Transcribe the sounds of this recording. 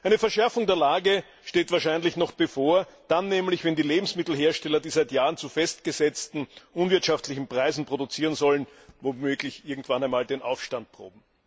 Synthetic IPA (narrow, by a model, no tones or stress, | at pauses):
ʔæɪnəfɛɐʃɛɐfʊŋdeːɐlaːɡə | ʃteːtv̥aːɐʃæɪnlɪçnɔχb̥əfoːɐd̥anːɛːmlɪçvɛndiːleːbm̩smɪtl̩ɦeːɐʃtɛlɐdiːzæɪtjaːʁənt͡sufɛstɡ̥əzɛt͡stn̩ʔʊnvɪɐtʃaftlɪçn̩pʁ̥aɪzn̩pʁ̥odʊt͡siːʁənzɔlənvomøːɡlɪçʔɪɐɡŋ̩tv̥anæɪnmaːldeːnʔa̰ʊfʃtant̚pʁ̥o̰ːb̚m̩